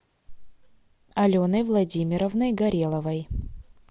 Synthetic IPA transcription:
ɐlʲonəjvlˠɐdʲimʲɪɾəvnɨjɡɐɾʲelˠəvəj

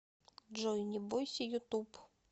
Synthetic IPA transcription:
ʐɔjnʲɪbɔjsʲɐjʊt̪up

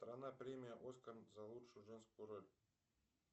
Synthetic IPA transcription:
st̪ɾanapɾʲemʲɪjəʔoskarnzalˠutʂujuʐɛnskʊjuɾolʲ

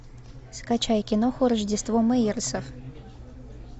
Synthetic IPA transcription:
skat͡ɕajkʲɪnoxʊɾəʐdʲɪst̪vomɐirsəf

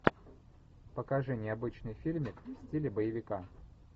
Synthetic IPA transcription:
pəkɐʐɛnʲɪjəɐbɨt͡ɕnɨjfʲilʲmʲɪkfsʲtʲilʲɪbəjɪvʲɪka

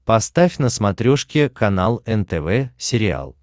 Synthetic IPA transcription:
pɐst̪afʲnəsmɐt̪ɾʲoʂkʲɪkɐnalˠɛnt̪ɛvɛsʲɪɾʲɪa̰lˠ

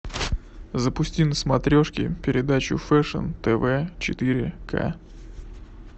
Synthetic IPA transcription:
zəpʊsʲtʲinəsmɐt̪ɾʲoʂkʲɪ̰pʲɪɾʲɪd̪at͡ɕʊ̰fɛʂə̰nt̪ɛvɛt͡ɕɪt̪ɨɾʲɪ̰kʰa̰

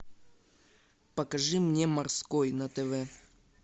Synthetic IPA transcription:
pɐkɐʐɨmnʲemɐrskojnɐt̪ɛvɛ

